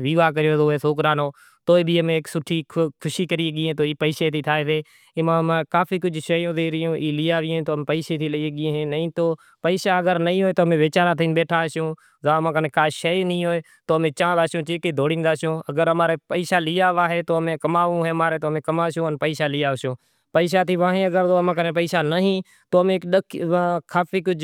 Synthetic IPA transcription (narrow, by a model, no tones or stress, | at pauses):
ʋiːʋaːkəɾɪjoːzoːeːsoːkɾaːnoː | t̪oːiːbʱiːəmẽːksʊʈʰiːkʰʊʃiːkəɾieːɠiːẽːt̪oːiːpəiːseːt̪ʰiːt̪ʰaːeʋeː | mãːmãːkaːfiːkʊd͡ʒʱʃəjõːzeːɾɪjõːʔiːlɪːaːʋɪõt̪oːmːpəiːʃeːt̪ʰiːləieːɠiːẽːɦẽːnəĩːt̪oː | pəiːsaːəɠəɾnəĩːɦoːeːt̪oːmẽːʋeːt͡ʃaːɾaːt̪ʰiːnɓeːʈʰaːʃjõː | zaːmãːkənkaːʃəːnĩːɦoːeː | t̪oːmẽːt͡ʃãːd̪aːsjõːt͡ʃeːkiːd̪ʱoːɽĩːnd̪aːsjõːəɡəɾəmãːɾeːpəiːsaːliːaːʋaːɦeːt̪oːəmẽːkəmaːũːɦeːmaːɾeːt̪oːmẽːkəmaːsjõːənpəiːsaːlɪjaːsõː | pəiːʃ̬aːt̪ʰiːʋãːɦẽːəɡəɾt̪oːmãːkənẽːp̬əiːsaːnəɦĩː | t̪oːmẽkɗəkʰãːkʰaːfiːkʊd͡ʒʱ